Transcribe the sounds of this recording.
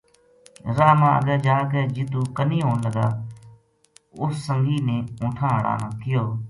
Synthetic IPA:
ɾaːmãːəɡɛːd͡ʒaːkeːd͡ʒɪt̪uːkəniːɦoːnləɡaː | ʊsːəŋɡiːnẽːũːʈʰãːɦəɽa̰ːnãːkɪjoː

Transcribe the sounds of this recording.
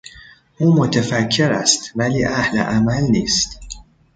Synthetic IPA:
ʔuːmot̪ʰefækʰːe̞ɾæst̪væliːʔæhlḛʔæmælniːst̪

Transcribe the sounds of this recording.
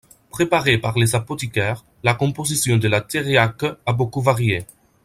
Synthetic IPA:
pχepaʁepaʁlezapot̪ikɛʁ | lakɔ̃pozisjɔ̃d̪əlat̪eʁeakabokuvaʁje

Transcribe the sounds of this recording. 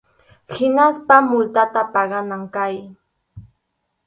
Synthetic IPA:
hɪnaspamʊlt̪at̪apɑɢɑnaŋkaj

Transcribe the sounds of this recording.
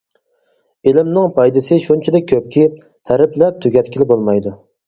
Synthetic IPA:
elɪmnɪŋpʰɑjd̪ɨsɪʃunt͡ʃʰɪd̪ɛkʲʰøp̚kʲi | t̪ʰæɾɪplɛp̚t̪ʰøɡʲɛt̪kʲilɪbolˠmɑjd̪u

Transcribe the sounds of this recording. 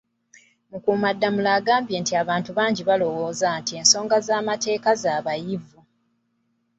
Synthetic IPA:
mukuːmadːamulaːɡaːmbje̞ːntiaβaːntuβaːɲɟiβalo̞wo̞ːzantie̞ːnso̞ːŋɡazaːmate̞ːkazaːβajivu

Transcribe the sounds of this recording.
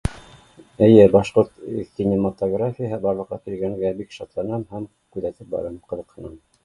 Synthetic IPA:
ɘ̆jɘbɑʃqoɾt̪kʲːinʲemat̪oɡrafʲɪjəɦɤbɑɾlˠɤ̆qːɑk̪iɾɡæŋɡæbikʃɑt̪lˠɑnɑmɦæm | kʉðæt̪ɘp̚bɑ̰ɾɑmqɤ̆ðɤ̆qhɤ̆nɑm

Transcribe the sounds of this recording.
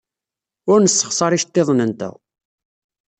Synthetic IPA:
ʊɾnəsːə̥χsˤɑɾiʃt̪ːeðˤnənt̪æ̰

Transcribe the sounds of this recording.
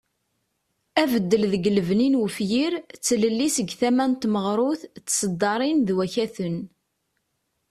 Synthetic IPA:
ævəd̪ːəlðəɡələvninwəfjiɾt͡sːləlːisəɡθæmænt̪məʁɾˤʊθt͡sːsəd̪ːɑɾˤinðwæçæθən

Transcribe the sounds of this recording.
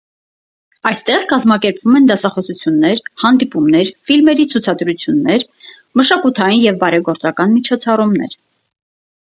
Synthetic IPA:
ɑjst̪ɛʁkɑzmɑkɛɾpvumɛnd̪ɑsɑχɔsut͡sʰjunːɛɾhɑn̪d̪ipumnɛɾfilmɛɾit͡sʰut͡sʰɑd̪ɾut͡sʰjunːɛɾ | məʃɑkut̪ʰɑjinjɛvbɑɾɛɡɔɾt͡sɑkɑnmit͡ʃʰɔt͡sʰɑrumnɛ̰ɾ

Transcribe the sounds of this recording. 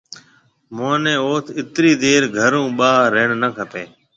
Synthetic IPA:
moːnẽːoːt̪ʰɪt̪ɾiːd̪eːɾɡʱəɾũːɓaːɾeːɳnəkʰəpeː

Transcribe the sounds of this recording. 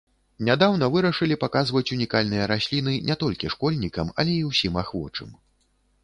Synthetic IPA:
nʲad̪awnɐvɨɾɐʂɨlʲipakazvɐt͡sʲunʲikalʲnɨjɐɾasʲlʲin̪ɨnʲʔɛt̪ɔlʲkʲiʂkɔlʲnʲikɐmɐ̰lʲɛiwsʲimaxvɔ̰t͡ʂɨ̰m

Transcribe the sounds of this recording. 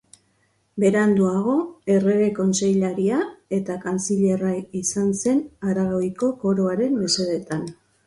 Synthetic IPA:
be̞ɾand̪uaɣ̞o̞e̞re̞ɣe̞ko̞nse̞jʎaɾiae̞t̪akant͡siʎe̞raisanse̞naɾaɣojko̞ko̞ɾo̞aɾe̞nːese̞ðet̪an

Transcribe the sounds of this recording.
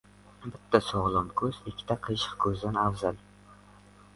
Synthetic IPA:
bɪt̪ʰːasɒʁlˠɒmkʰɵzɪkʲʰːɪt̪aqʰɨʃɨ̥qkʰɵzd̪anafzal

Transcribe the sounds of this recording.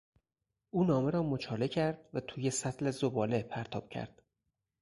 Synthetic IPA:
ʔuːnɒːmeɾɒːmot͡ʃʰɒːle̞cʰæɾd̪̥væt̪ʰuːje̞sæt̪ʰlezobɒːlepʰæɾt̪ʰɒːb̥̚cʰæ̰ɾd̪̥

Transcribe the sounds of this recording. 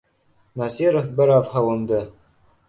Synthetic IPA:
nɑsiɾŏfbɘ̆ɾɑðhɑwɤ̆nd̪ɤ

